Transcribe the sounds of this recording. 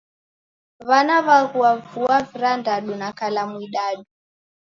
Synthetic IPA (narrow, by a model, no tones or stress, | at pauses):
βanaβaɣuavuaviɾandaɗunakalamwiɗaɗu